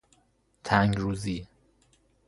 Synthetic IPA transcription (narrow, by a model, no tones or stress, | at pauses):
t̪ʰæŋɡɾuːziː